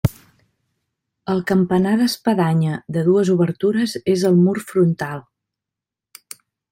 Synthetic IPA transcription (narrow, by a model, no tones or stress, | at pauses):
əlˠkəmpənaðəspəðaɲəðəðuəzuβəɾt̪uɾəzezəlˠmurfɾunt̪alˠ